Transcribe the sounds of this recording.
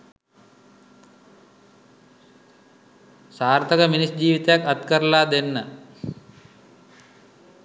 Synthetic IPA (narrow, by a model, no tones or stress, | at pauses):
saːrt̪əkəminisd͡ʑiːʋit̪əjakat̪kəɾəlaːd̪enːə